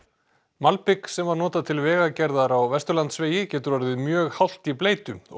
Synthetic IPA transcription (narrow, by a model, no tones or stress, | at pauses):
malpɪksɛmvaɾnɔːt̪aðt̪ʰɪlvɛːɣacɛɾðaɾawvɛst̪ʏɾlant̪sveːjɪcɛːt̪ʏɾvaɾðɪðmjœːɣhawl̥t̪ipleːjt̪ʏ